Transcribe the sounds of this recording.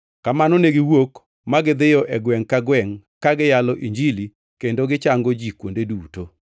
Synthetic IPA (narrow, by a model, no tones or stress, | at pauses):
kamanɔneɡɪwok | maɡɪd̪ɪjɔʔɛɡwɛŋkaɡwɛŋkaɡɪjalɔʔiɲd͡ʒili | kendoɡɪt͡ʃaŋɡod͡ʒikwondeduːto